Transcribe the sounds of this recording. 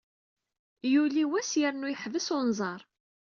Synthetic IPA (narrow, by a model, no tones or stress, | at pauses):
juliwæsjəɾnujəħvəsʊnzˤɑɾˤ